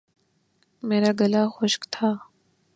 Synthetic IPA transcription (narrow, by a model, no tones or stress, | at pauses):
meːɾaːɡɐlaːxoʃkt̪ʰaː